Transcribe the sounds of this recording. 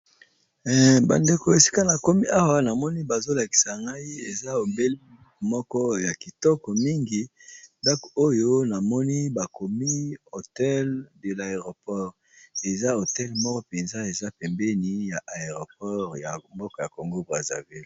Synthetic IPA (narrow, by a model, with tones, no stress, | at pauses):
ba̰˨nde˨ko˨e˨si̥˦ka˦na˨ko˦mi˦ʔa˦wa˦na˨mɔ˦ni˦ba˨zo˦la˨ki̥˨sa˨ŋɡa˦i˦ḛ˨za˦o˨mbe˦li˦ | mɔ˦kɔ˦ja˨ki˨tɔ˦kɔ˨mi˦ŋɡi˨ | nda˦ko˦jo˦na˨mɔ˦ni˦ba˨ko˨mi˦o˨tɛ˦lde˨la˨e˨ʁo˨pɔ˦ʁ | e˨za˦o˨tɛ˦lmɔ˦kɔ˦pe˨nza˦e˨za˦pɛ˨mbɛ˦ni˦ja˨ʔa˨e˨ʁo˨pɔ˦ʁja˨mbɔ˦kɔ˦ja˨ko˨ŋɡo˦bʁa˨za̰˨vi˦l